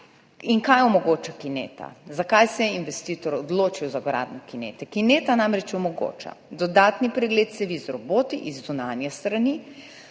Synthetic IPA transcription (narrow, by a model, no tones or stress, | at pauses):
iŋkajɔmɔɡoːt͡ʃakineːt̪a̰zakajsɛɛinʋɛst̪iːt̪ɔɾɔd̪loːt͡ʃiwzaɡɾa̰ːd̪nɔkinḛːt̪ɛkineːt̪anamɾɛt͡ʃɔmɔɡo̰ːt͡ʃa̰d̪ɔd̪aːt̪nipɾɛɡleːt̪sɛʋizɾɔboːt̪iʔizːunaːnjɛst̪ɾani